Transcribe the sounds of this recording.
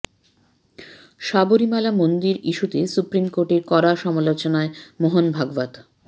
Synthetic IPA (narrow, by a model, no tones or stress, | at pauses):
ʃaboɾimalamond̪iɾiʃut̪esupɾimkoɾʈeɾkɔɾaʃɔmalot͡ɕonaemoɦonbʱaɡvad̪